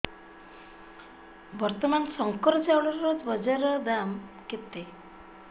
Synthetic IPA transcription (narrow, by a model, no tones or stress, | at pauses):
bɔɾt̪ɔmansɔŋkɔɾt͡sawɭɔɔt̪bɔd͡ʑaɾɔd̪amket̪e